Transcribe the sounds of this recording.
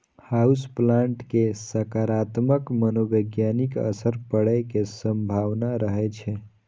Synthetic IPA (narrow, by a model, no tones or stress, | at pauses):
hausplaɳʈkesəkaɾat̪məkmənobəɡjanikə̰səɾpəɽəjkesəmbʱaʋnaɾəɦɛt͡ʃʰɛ